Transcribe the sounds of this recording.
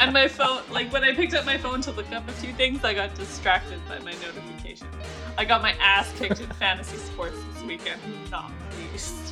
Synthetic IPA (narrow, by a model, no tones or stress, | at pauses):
ɨ̃nmaɪfõʊ̃nlaɪkwə̃ñaɪpɪk̚tʌp̚maɪfõʊ̃ntʰɨlˠðɨkʰʌ̃mɨfjʉθɪ̃ŋzaɪɡɑt̚d̥ɨstɹ̥æk̚tɨd̚baɪmaɪnoʊɾɨfɨkʰeɪʃɨ̃n | aɪɡɑt̚maɪʔæspʰɪ̃k̚tɨ̃nfæ̃ntɨsispɔɹtsðɪswikɨ̃n̚ʉnɑ̰m | is